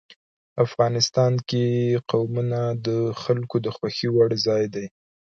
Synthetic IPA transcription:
afɣɑnɪst̪ɑnkeqawmunad̪əxalkod̪əxwaxiwaɽzɑjd̪aj

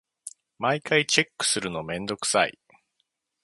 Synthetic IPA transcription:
maikait͡ɕe̞kːɯ̟̥sɨɾɯ̟no̞mẽ̞nd̪o̞kɯ̟̥sa̰ḭ

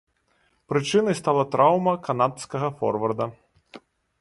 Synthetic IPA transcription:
pɾɨt͡ʂɨnɐjst̪alˠɐt̪ɾʔawmɐkanat̪skɐɣɐfɔ̰rvɐrd̪ɐ

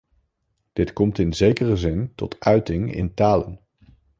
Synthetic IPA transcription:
d̥ɪtkɔmtɪnzejkərəzɪntɔ̰tʰœɥtɪŋɪ̰ntaːlə̰n

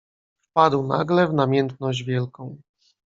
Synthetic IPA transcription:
fpad̪wna̰ɡlɛvnamʲjɛnt̪̚nɔʑd͡ʑvʲjɛlkɔ̃w̃

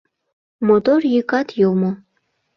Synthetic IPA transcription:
mot̪orjikɑt̪jomo

